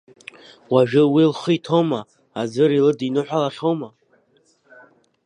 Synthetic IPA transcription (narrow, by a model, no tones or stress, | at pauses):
waʒᶣʊwilχɨjtʰowmaː | d͡zʷɨɾilɨdinɨħʷᶣalaχowma